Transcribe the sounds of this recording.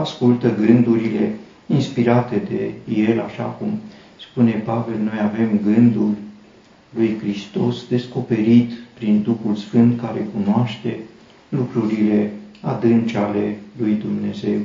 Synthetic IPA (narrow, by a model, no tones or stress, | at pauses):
askult̪əɡɨnd̪uɾile̞ | inspiɾat̪e̞d̪e̞̰je̞laʃa̰kum | spune̞pave̞lno̞jave̞mɡɨnd̪ul | lujkɾist̪o̞sd̪e̞sko̞pe̞ɾit̪pɾind̪uxulsfɨnt̪kaɾe̞kunoaʃt̪e̞ | lukɾuɾile̞ad̪ɨnt͡ʃale̞lujd̪umne̞ze̞w